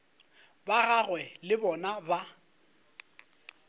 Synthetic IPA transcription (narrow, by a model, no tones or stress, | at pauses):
baɣaɣwɛlɪbɔnaba